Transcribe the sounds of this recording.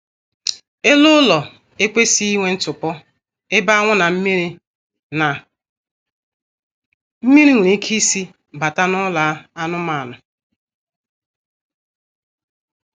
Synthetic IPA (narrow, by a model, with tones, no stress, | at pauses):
e˦lʊ˦lɔ˨ | e˦kʷe˦si˦i˦ŋʷe˦n̩˦tʊ˨pɔ˦ | ɪ˦ba˦a˦ŋʷʊ˦na˨m̩˦mi˦ɾi˦ | na˨ | m̩˦mi˦ɾi˦ŋʷu˨ɾi˦kʰi˦si˦ | ba˨ta˦nɔ˦la˨˦a˦nʊ˦ma˨nʊ˨